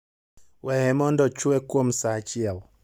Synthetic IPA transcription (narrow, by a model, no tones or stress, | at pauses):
wɛhɛmɔndɔt͡ʃuɛkuɔm̩sat͡ʃiaɔ